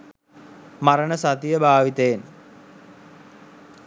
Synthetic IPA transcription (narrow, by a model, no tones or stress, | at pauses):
maɾənəsat̪ijəbʱaːʋit̪ejen